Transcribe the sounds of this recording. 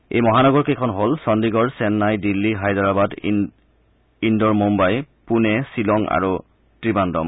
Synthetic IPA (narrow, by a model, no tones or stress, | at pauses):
ḛjmɔɦanɔɡɔɹkejkʰɔnɦolsɔndiɡɔɹsɛnːajdilːiɦajdɔɹabad | indɔɹmumbajpunɛsilɔŋa̰ɹu | tɹibandɔ̰m